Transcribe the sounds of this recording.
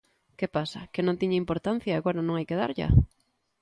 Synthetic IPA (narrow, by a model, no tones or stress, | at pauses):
kepasɐkɪnõnt̪iɲɐimpoɾt̪an̟θjaːɣoɾɐnõŋajkeða̰ɾʎa̰